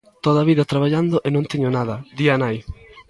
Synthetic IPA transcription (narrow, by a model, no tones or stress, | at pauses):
t̪oðaβiðɐt̪ɾaβaʎand̪oʔɪnõnt̪eɲonaðɐd̪ianaj